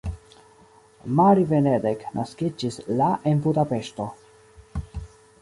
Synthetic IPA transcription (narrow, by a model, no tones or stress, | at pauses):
maɾivened̪eknʔaskid͡ʒislaʔenbud̪apeʃt̪o